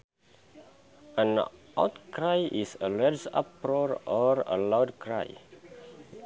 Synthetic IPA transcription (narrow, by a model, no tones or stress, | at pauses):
ə̃nʔa̰wtkɹajʔisəlɛsa̰pɹɔɹɔɹə̰lawdkʰɹa̰j